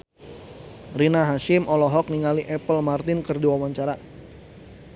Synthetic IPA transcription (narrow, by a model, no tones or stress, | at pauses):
rinaɦaʃɪmʔɔlɔɦɔk̚niŋaliʔɛpəlmart̪ɪnkɨrdiwawaɲt͡ʃaɾa